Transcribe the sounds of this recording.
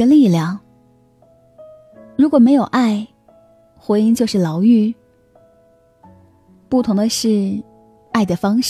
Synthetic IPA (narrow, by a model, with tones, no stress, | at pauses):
ə˧˥li˥˩ljɑ˨˩ŋ | ɻu˧˥kwɔ˨˩me˧˥ɪjo˨˩ʊʔa˥˩ɪ | xwe˧˥ɪi˥˧ŋt͡ɕjo˥˧ʊʂɻ̩˥˩lɑ˧˥ʊy˥˩ | pu˥˩t̪ʰʊ˧˥ŋd̪ə˧ʂɻ̩˥˧ | a˥˩ɪd̪ə˩fɑ˥ŋʂ